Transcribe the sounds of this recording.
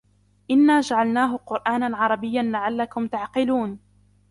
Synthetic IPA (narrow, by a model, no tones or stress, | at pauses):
ʔɪnːaːd͡ʒaʕalnaːɦʊqʊɾʔaːnanʕɑɾˤɑbɪjːanlaʕalːakʊmt̪aʕqɪluːn